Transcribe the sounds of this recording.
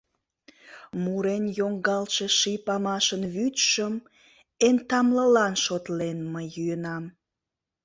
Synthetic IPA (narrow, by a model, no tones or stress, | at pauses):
muɾenjoŋɡɑlʃeʃipɑmɑʃənβytʃəm | ent̪ɑmləlɑnʃot̪lenməjːyənɑm